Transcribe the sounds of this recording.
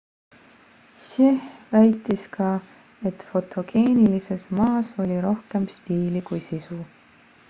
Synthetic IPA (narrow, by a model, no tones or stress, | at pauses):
ɕehvæjt̪ːˑiskɑː | e̞t̪fo̞t̪ʰˑo̞ɡ̥e̞ːnilise̞smɑːso̞lʲiɾo̞hke̞mst̪iːlikujsisu